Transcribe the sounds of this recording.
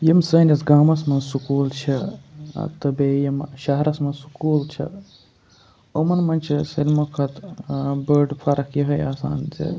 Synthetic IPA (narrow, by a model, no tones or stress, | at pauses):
jɐmsəːnɐsɡaːmɐsmɐnsukuːlt͡ʃʰɐ̰ | t̪ɐbejɐmʃɐɦɾɐsmɐnsu̥kuːlt͡ʃʰɐ̰ | omɐnmɐnt͡ʃʰisilmokʰɐt̪bəːɖpʰɐɾɐkʰjɐɦɐjaːsa̰ːnzḛ